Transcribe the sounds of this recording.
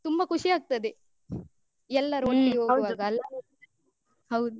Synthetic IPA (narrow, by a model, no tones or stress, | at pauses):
t̪umbɐkʰuʂiaːɡ̚t̪ɐd̪e | ɛlːɐɾuonːejoːwɐʋaːɡɐɐlːɐ | hɐwd̪u